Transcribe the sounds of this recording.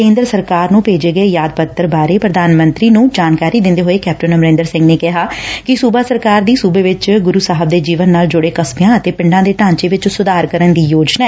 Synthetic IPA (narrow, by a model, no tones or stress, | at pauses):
ẽːnd̪əɾsəɾkaːɾnũːpeːd͡ʒeːɡəeːjaːd̪̚pət̪ːəɾbaːɾeːpɾəd̪aːnmə̃nt̪ɾiːnũːd͡ʒaːnkaːɾiːd̪ɪ̃nd̪eːɦoːeːkɛːp̚ʈənəmɾẽːnd̪əɾsɪ̃ŋɡneːkɪɦaːkɪsuːbaːsəɾkaːɾd̪iːsuːbeːʋɪt͡ʃɡʊɾuːsaːɦəb̚d̪eːd͡ʒiːʋənːaːld͡ʒʊɽeːkəsmjãːət̪eːpɪɳɖãːd̪eːt̪ãːɲt͡ʃeːʋɪt͡ʃsʊd̪aːɾkəɾənd̪iːjoːd͡ʒna